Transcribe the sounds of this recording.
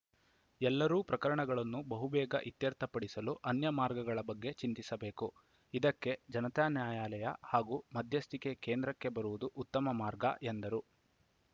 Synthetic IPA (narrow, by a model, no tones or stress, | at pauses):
ɛlːɐɾuːpɾɐkɐɾɐɳɐɡɐɭɐnːubɐɦubɛːɡɐ̰ʔit̪jɐɾt̪ʰɐpɐɽisɐluʔɐnjɐmaːɾɡɐɡɐɭɐbɐɡːe̞t͡ʃint̪isɐbeːku | id̪ɐkːe̞d͡ʒɐnɐt̪aːnjaːjaːlɐjɐhaːɡuːmɐd̪ʱjɐst̪ʰikekeːnd̪ɾɐkːe̞bɐɾuʋud̪uʔut̪ːɐmɐmaːɾɡɐ̰ʔend̪ɐɾu